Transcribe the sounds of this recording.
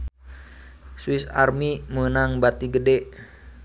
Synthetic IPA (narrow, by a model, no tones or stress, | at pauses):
suwisa̰rmimənaŋbat̪iɡədɛʔ